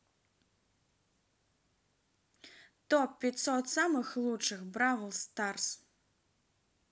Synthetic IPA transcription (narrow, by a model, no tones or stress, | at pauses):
t̪ɔpːʲit̪sɔt̪samɨxlˠut͡ʂɨxbɾavɨlˠst̪ars